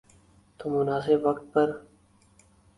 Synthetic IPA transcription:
t̪omʊnaːsɪbʋɐkt̪̚pɐɾ

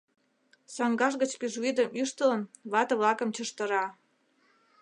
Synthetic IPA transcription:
sɑŋɡɑʃ̬ɣə̆t͡ɕpiʒuid̪əmyʃt̪ələ̆nβɑt̪ɤ̆βlɑkə̆mt͡ɕəʃt̪ə̆ɾɑ

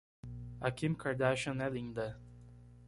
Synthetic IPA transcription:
akĩmkaɹd̪aʃə̃nɛlĩnd̪ɐ

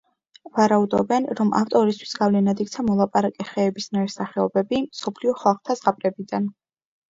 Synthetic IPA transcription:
vaɾaud̪ɔbɛnɾɔmʔa̰ft̪ʼɔɾist̪ʰwi̥sɡavlɛnad̪ik̚ʰʼt̪sʰamɔlˠapʼaɾakʼɛχɛːbisnaɾɛsaχɛɔbɛbimsɔpʰliɔχalˠχt̪ʰazʁapʼɾɛbid̪an

